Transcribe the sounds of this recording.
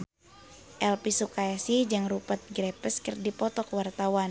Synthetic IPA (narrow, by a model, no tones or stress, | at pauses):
ʔɛlpisukaɛsid͡ʒaŋrupət̪̚ɡɾepəskərdipɔt̪ɔkwart̪awan